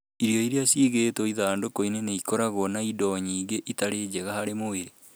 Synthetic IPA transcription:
iɾjɔiɾeasiːɣetɔiðaːndokoineneikɔɾaɣɔnaidɔɲiːɡeʔitaɾeːd͡ʒɛɣahaɾemoeɾe

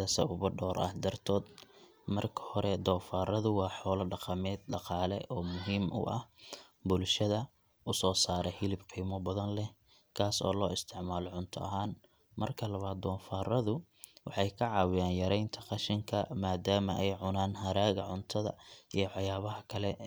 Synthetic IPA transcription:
ɐsɐ̰ʊβʊɖɔːɾʔɐ̰hd̪ɐrt̪ʰɔːd̪ | mɐrkʰɐ̥hɔɾɛd̪ɔːfaːrɐðʊwɑːħɔːlɐɖɑqɑmɛːd̪̚ɖɑqɑːlɛ̰ʔɔːmʊɦiːmʔʊ̰ʔɐh | bʊlʃɐðɐ | ʔʊsɔːsaːɾɛhɪlɪbqiːmɔbɐðɐnlɛ | kʰaːsɔ̰ːlɔːɪst̪ʰɪʕmaːlɔʕʊnt̪ʰɔ̰ʔɐɦaːn | mɐrkʰɐlɐβaːd̪̚d̪ɔːfaːrɐðʊ | wɑħɑjkʰɐʕɑːwɪjaːnjɐɾɛjnt̪ʰɐqɑʃɪŋkʰɐmaːd̪aːmɐʔɛjʕʊnaːnɦɐɾaːɣɐʕʊnt̪ʰɐðɐ̰ʔijɞħɑjaːβɐɦɐkʰɐlɛ

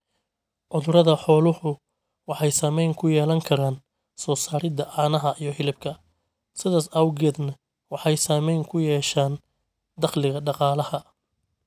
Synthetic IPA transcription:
ʕʊðʊɾɐðɐħɔːlʊhʊ | wɑħɑjsaːmɛjŋkʰʊjɛːlɐŋkʰɐɾaːn | sɔːsaːɾɪd̪ɐʔɑːnɐɦɐʔijɞhɪlɪbkʰɐ | sɪðaːsɐwɣɛːd̪nɐ | wɑħɑjsaːmɛjŋkʰʊjɛːʃaːn | d̪ɑχlɪɣɐɖɑqɑːlɐhɐ

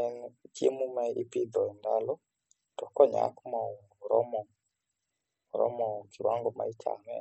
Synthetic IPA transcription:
ɛnkiemumaʔipiðɔɛndalɔ | tɔkɔɲa̰kumauŋɡuɾɔmɔ | uɾɔ̰mɔkʰiwaŋɡɔma̰it͡ʃʰa̰mɛ̰

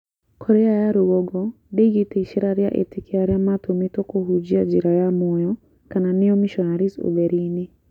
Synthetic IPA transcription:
kʰɔɾɛajaɾuɡɔɡɔ | deɡiteiʃiɾaɾja̰ʔḛtikeaɾjamatomitokoɦud͡ʒiad͡ʒiɾajamojɔ | kananeɔmiʃɔnaɾiso̰bɛɾine

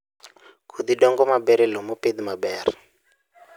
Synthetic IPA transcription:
kʰud̪idɔŋɡɔmabɛɾɛlɔmoped̪imabɛːɾi

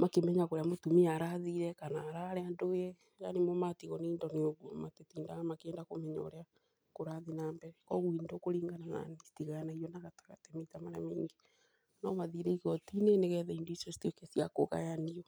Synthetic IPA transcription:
makemɛɲakoɾeamotumiaɾaðiɾɛkanaːɾaɾeandoɣɛ | janemɔmatiɣɔniːndɔneoɣwomatetiːndaɣamakeɛːndakomɛɲɔ̰ɾea | koɾaðinaːmbɛɾɛkɔɣuindokoɾiːŋɡanana̰nisi̥tiɣajanaijɔnaɣatḁɣatɛmetamaɾa̰miːŋɡe | namaðiɾɛiɣɔtineneɣɛðɛindoisosi̥tekesiako̰ɣa̰janiɔ

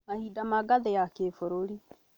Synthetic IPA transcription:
mahidamaɡaðejakefoɾoɾi

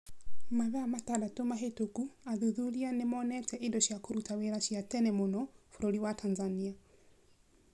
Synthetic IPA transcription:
maβɛamatadatomaɦetokuaðuðuɾianemɔnɛtɛʔindɔʃiakoɾutaweɾaʃiatɛnɛmonɔfoɾoɾiwatanzania

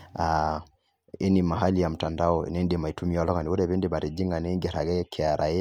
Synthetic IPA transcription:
a | inimaɦalijam̩tandaɔḭnɛndimaitumialɔɡaniuɾɛβɛndibaɾid͡ʒiŋɡanɛŋɡɛɾaɡɛkʰɛaɾʔaɛ

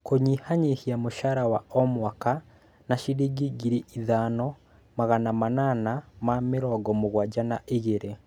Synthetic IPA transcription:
koɲihaɲehiamoʃaɾawaɔmwaka | naʃiɾiɡiɡiɾiʔiðanɔ | maɣanamananamameɾɔːɡɔmoɣwad͡ʒanaʔeɣeɾe

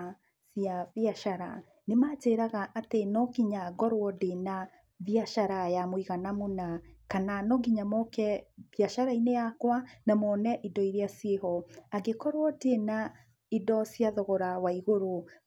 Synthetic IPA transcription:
sijavjaʃaɾa | nemat͡ʃeːɾaɣaʔatenɔɡiɲaɡɔɾwɔdena | ðiaʃaɾajamwiɣanamonakananɔɡiɲamɔkɛvjaʃaɾainejakwanamɔnɛʔidɔiɾiasjehɔaɡekɔɾwɔdena | idɔsjaðɔɣɔɾawaiɣoɾo

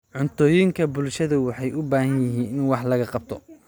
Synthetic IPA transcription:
ʕʊnt̪ʰɔːjɪŋkʰɐbʊlʃɐðɐwɑħɑjʔʊbaːhɐnjɪɦiːnɪnwɑħlɐɣɐqɑb̚t̪ʰɔ

